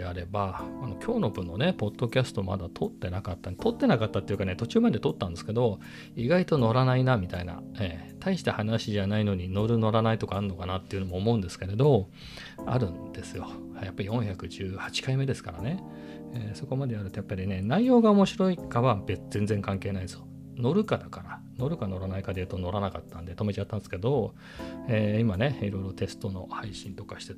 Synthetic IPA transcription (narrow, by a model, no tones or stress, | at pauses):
eaɾe̞baano̞kʲʰo̞ːno̞bɯ̟̃nːo̞ne̞po̞d̪̥ːo̞kʲasɨ̥t̪o̞ma̰d̪at̪ʰo̞t̪ːe̞nakat̪ːant̪o̞t̪ːe̞nakat̪ːat̪ːe̞jɯ̟kane̞t̪o̞t͡ɕɨːmad̪e̞t̪o̞t̪ːãnd̪e̞sɨ̥ke̞d̪o̞ | iɡait̪o̞no̞ɾanainamʲit̪aina̰eːt̪ʰaiɕi̥t̪ehanaɕiʑanaino̞ɲ̟ino̞ɾɯ̟no̞ɾanait̪o̞kaːɾɯnːo̞kanat̪ːe̞jiɯ̟nomoːmo̞ɯ̃nd̪e̞sɨ̥keɾe̞d̪o̞ | a̰ɾɯ̟̃nd̪̥e̞sɨjo̞ | japːaɾijõ̞ɰ̃çakɯ̟ʑɨːhḁt͡ɕi̥kaime̞d̪e̞sɨ̥kaɾane̞ | eːso̞ko̞mad̪e̞aɾɯ̟t̪ojapːaɾʲine̞naijo̞ːɡaomo̞ɕiɾo̞ikaβabez̥ẽ̞nd͡ze̞ŋkãŋke̞ːnaid̪sjo | no̞ɾɯ̟kad̪akaɾa | no̞ɾɯ̟kano̞ɾanaikad̪eɯ̟t̪ono̞ɾanakat̪ːãnd̪e̞t̪o̞me̞t͡ɕat̪ːãnsɨ̥ke̞d̪o̞ | eːimaneiɾo̞iɾo̞t̪e̞sɨ̥t̪o̞no̞̰haiɕĩnt̪o̞kaɕi̥t̪e